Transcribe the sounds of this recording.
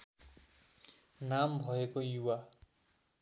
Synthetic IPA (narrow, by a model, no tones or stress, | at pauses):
nambʱʌekojuwa